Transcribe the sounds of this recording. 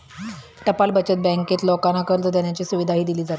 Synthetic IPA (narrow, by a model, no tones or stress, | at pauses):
ʈəpalbət͡ɕət̪̚bɛ̃ŋket̪lɔkanakəɾt̪od̪eɳjat͡ɕiːsuʋid̪ʱaɦiːd̪iliːd͡zat̪i̥